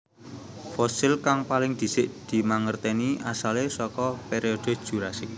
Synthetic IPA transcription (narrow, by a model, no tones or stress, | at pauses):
fɔsɪlkaŋpalɪŋd̪̥i̤sɪʔd̪̥i̤maŋərt̪ɛniʔasalesɔkɔpeɾiɔd̪̥o̤̥ʒ̥ṳɾasɪk̚